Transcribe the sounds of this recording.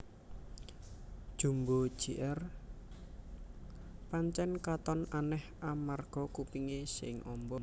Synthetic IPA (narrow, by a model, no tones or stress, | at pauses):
d̥ʒ̥ṳmbo̥ʒ̥iʔɛr | paɲt͡ʃɛnkat̪ɔnʔanɛhʔamarɡ̥ɔ̤kupiŋesɪ̰ŋʔɔmbɔ